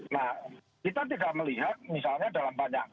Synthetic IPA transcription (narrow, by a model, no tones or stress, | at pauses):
nah | kit̪at̪̬idaʔməliɦat̪̚misalɲadalambaɲaŋ